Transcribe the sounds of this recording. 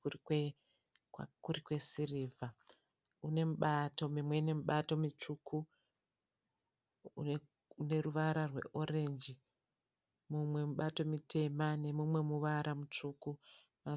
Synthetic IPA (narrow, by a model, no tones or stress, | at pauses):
uikwe | wkurikwe̞siriːvʱa | une̞muɓato̞mimwe̞ine̞muɓato̞mit͡ʂukʰu | une̞ruʋaɾarwe̞̰ʔo̞ɾe̞nd͡ʒi | mumwe̞muɓato̞mitʰe̞mane̞mumwe̞muʋaɾʔamut͡ʂuku | ma